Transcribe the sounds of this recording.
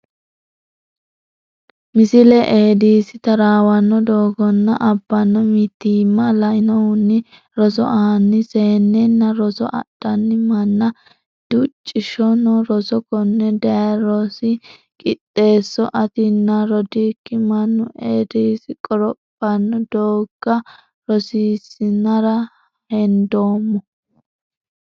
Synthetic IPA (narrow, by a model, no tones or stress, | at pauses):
mɪsɪlɛʔeːd̪iːsɪt̪ɐɾaːwɐnːɔd̪oːɡɔnːɐʔɐbːɐnːɔmɪt̪ːiːmːɐlɐɪnɔʊnːɪ | ɾɔsɔ̰ʔɐɐnːɪseːnːɛnːɐɾɔsɔ̰ʔɐ̰ɗ̥ɐnːɪmɐnːɐ | d̪̥ʊt͡ʃʼːɪʃɔnɔɾɔsɔkɔnːɛd̪ɐɐɾɔsɪ | kʼɪt̪ʼːe̞ːsːɔʔɐt̪ɪnːɐɾɔd̪iːkːɪmɐnːʊʔed̪iːsɪkʼɔɾɔpʼːɐnːɔd̪oːɡ̥ɐ | ɾɔsiːsɪnɐɾɐ | hɛnd̪oːmːɔ